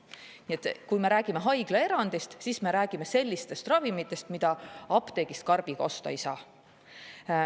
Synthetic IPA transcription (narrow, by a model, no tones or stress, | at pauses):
niet̪kujme̞ɾæːɡ̥imeɦɑjɡ̥lee̞ɾɑnd̪̥ist̪sisme̞ɾæːɡ̥ime̞se̞lʲːist̪e̞st̪rɑvimit̪ːˑe̞st̪mid̪ɑɑpt̪e̞ɡ̥ist̪̚kɑrb̥iɡ̥ɑo̞st̪ɑ̰ejsɑː